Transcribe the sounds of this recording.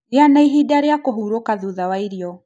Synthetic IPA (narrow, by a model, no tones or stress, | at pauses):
janaiɦidaɾijakɔɦuɾɔkaðuðawaiɾjɔ